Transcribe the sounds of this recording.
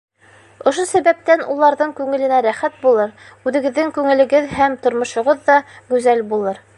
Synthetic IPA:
ŏʃosæβæp̚t̪ænulˠːɑɾðɤɴkʉŋɘ̆lɘ̆næɾæχæt̪̚bulˠɤɾ | ʉðɘ̆ɡɘ̆ðːɘŋkʉŋɘ̆lɘ̆ɡɘðhæmt̪ŏɾmŏʃŏʁoðːɑɡʉzælbulˠɤɾ

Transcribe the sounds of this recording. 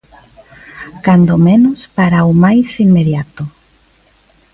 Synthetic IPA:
kand̪omenuspaɾawmajsinmeðjat̪o

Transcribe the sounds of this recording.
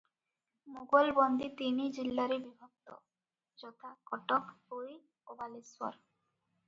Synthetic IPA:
moɡolbɔnd̪it̪inid͡ʑilːaɾibibʱot̪ːo̰ | d͡ʑɔt̪ʰakɔʈokoj | obaliswa̰ɾ

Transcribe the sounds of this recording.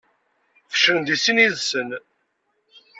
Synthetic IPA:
fə̥ʃəɾənd̪isiniðsən

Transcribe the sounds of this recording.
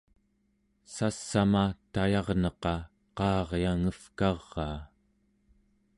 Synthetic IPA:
sasːamat̪ajɑʁnʌqɑ | qɑːʁjaŋəfkɑʁːɑː

